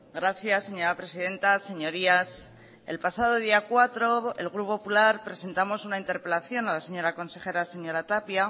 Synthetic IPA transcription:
ɡɾaθjasːe̞ɲo̞ɾapɾe̞siðe̞nt̪ase̞ɲo̞ɾias | elpasað̞o̞ð̞iakwat̪ɾo̞elɣ̞ɾupopulaɾpɾe̞se̞nt̪amo̞sunaint̪eɾpe̞laθjo̞nalase̞ɲo̞ɾako̞nse̞xe̞ɾase̞ɲo̞ɾat̪apja

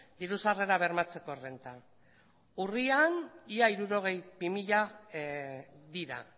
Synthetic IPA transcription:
d̪iɾusare̞ɾaβ̞e̞ɾmat͡se̞ko̞re̞nt̪a | urianiaiɾuɾo̞ɣ̞e̞jbimiʎa | ðiɾa̰

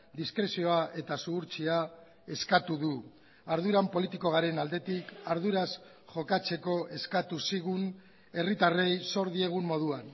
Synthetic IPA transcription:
d̪iskɾe̞sio̞aʔe̞t̪asuɣuɾt͡sia | e̞skat̪uðu | aɾð̞uɾampo̞lit̪iko̞ɣ̞aɾe̞nald̪e̞t̪ikaɾðuɾas | ʝo̞kat͡se̞ko̞ʔe̞skat̪usiɣun | e̞rit̪are̞jso̞ɾðie̞ɣ̞umːo̞ðuan

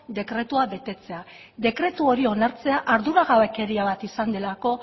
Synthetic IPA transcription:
d̪e̞kɾe̞t̪uaβe̞t̪e̞t͡se̞a | d̪e̞kɾe̞t̪uo̞ɾio̞naɾt͡se̞aʔaɾðuɾaɣawe̞ke̞ɾiaβ̞at̪isand̪e̞lako̞

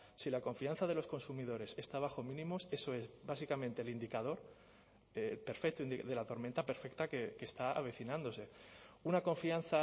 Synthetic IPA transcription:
silako̞ɱfian̟θaðelo̞sko̞nsumiðo̞ɾe̞se̞st̪aβ̞axo̞mĩnĩmose̞so̞e̞zβasikamẽ̞nt̪elind̪ikað̞o̞ɾ | epe̞ɾfek̚t̪oind̪iðe̞lat̪o̞ɾmẽnt̪ape̞ɾfe̞k̚t̪ake̞kest̪aa̰β̞e̞θinãnd̪o̞se̞unako̞ɱfian̟θa

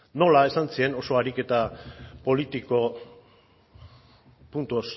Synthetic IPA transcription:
no̞lae̞sansie̞no̞so̞aɾike̞t̪apo̞lit̪iko̞ | punt̪uos

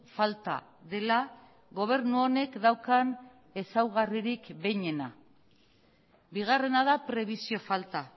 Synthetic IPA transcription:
falt̪a̰ | ðe̞la | ɣo̞β̞e̞ɾnuo̞ne̞kd̪awkan | e̞sawɣariɾikbe̞jɲe̞na | biɣ̞are̞nað̞apɾe̞β̞isio̞falt̪a

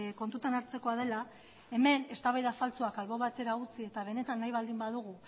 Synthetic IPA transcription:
ko̞nt̪ut̪anaɾt͡se̞ko̞aðe̞la | e̞me̞ne̞st̪aβajðafalt͡soakalβo̞βat̪e̞ɾaut͡sie̞t̪aβ̞e̞ne̞t̪anːajβald̪imbaðuɣ̞u

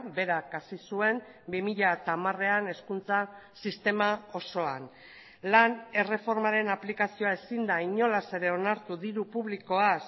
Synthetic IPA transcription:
be̞ɾakasisue̞m | bimiʎaet̪aːmare̞ane̞skunt͡sasist̪e̞mao̞so̞an | lane̞re̞fo̞ɾmaɾe̞naplikasio̞ae̞sind̪aiɲo̞lase̞ɾe̞o̞naɾt̪uðiɾupuβliko̞as

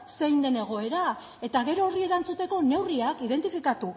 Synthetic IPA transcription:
se̞jnd̪e̞ne̞ɣ̞o̞e̞ɾa | e̞t̪aɣe̞ɾo̞ːrie̞ɾant͡sut̪e̞ko̞ne̞wriakiðe̞nt̪ifikat̪u

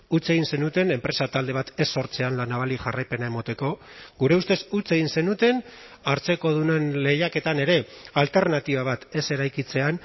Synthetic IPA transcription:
ut͡se̞ɣinse̞nut̪e̞ne̞mpɾe̞sat̪ald̪e̞β̞at̪e̞sːo̞ɾt͡se̞anlanaβ̞aliʝarajpe̞nae̞mo̞t̪e̞ko̞ɡuɾe̞ust̪e̞sut͡se̞ɣinse̞nut̪e̞n | aɾt͡se̞ko̞ðune̞nle̞jake̞t̪ane̞ɾe̞alt̪e̞ɾnat̪iβ̞aβ̞at̪e̞se̞ɾajkit͡se̞an

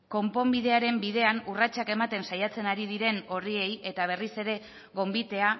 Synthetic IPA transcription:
ko̞mpo̞mbiðe̞aɾe̞mbiðe̞anurat͡ʃake̞mat̪e̞nsajat͡se̞naɾiðiɾe̞no̞rie̞je̞t̪aβ̞e̞rise̞ɾe̞ | ɣo̞mbit̪e̞a

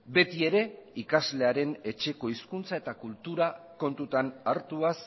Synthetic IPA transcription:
be̞t̪ie̞ɾe̞ikazle̞aɾe̞ne̞t͡ʃe̞ko̞iskunt͡sae̞t̪akult̪uɾako̞nt̪ut̪anaɾt̪uas

